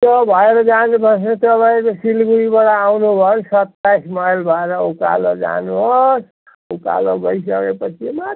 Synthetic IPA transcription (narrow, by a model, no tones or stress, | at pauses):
t̪ʌbʱʌeɾʌd͡zanubʱʌs̬net̪ʌpaĩkosilɡuɾibaɽaːwnubʱʌsʌt̪ːajsmʌjlbʱʌeɾʌuka̰lod͡za̰nuʌs | uka̰loɡʌisʌkepʌt͡ʃʰimat̪